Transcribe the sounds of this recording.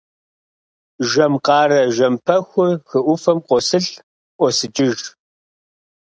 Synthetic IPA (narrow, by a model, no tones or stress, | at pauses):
ʒɐmqʼɑːɾɐʒɐmpʰɐxʷʊxɨʔʷʊfɐmqʷʼɔsɨɬ | ʔʷɔsɨt͡ʃʼɪʒ